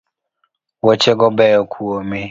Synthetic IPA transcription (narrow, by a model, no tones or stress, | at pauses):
wɔt͡ʃɛɡɔbɛjɔkʰuome